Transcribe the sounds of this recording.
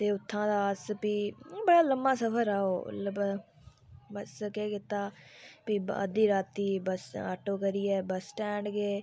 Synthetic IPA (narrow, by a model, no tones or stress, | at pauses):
t̪eːʊt̪ʰːãːd̪aːəspiːbəɽaːləmbaːsəfʰəɾaːo̰ːləb | bəskeːkɪt̪aː | piːəd̪iːɾaːt̪iːbəsa̰ːʈoːkəɾiːɛːbəsʈɛ̃ːɳɖɡeː